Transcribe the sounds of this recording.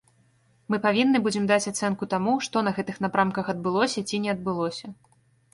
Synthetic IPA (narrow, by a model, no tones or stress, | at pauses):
mɨpavʲinːɨbud͡zʲɛmd̪at͡sʲat̪sɛnkut̪amuʂt̪ɔnɐɣɛt̪ɨxnapɾamkɐxɐd̪̚bɨlˠɔsʲɐt͡sʲinʲɛɐd̪̚bɨlˠɔsʲɐ